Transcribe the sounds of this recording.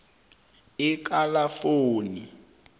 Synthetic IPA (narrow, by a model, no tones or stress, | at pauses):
ik̬ʼalafoːni